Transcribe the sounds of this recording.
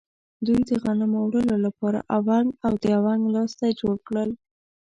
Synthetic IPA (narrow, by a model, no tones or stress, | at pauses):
d̪ujd̪əɣanamowɽəlolapɑɾa̰ʔawaŋɡawd̪əawaŋɡlɑst̪ajed͡ʒoɽkɽəl